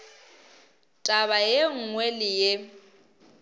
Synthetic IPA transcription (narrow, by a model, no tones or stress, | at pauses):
tʼaβajeŋ̩ŋwelɪje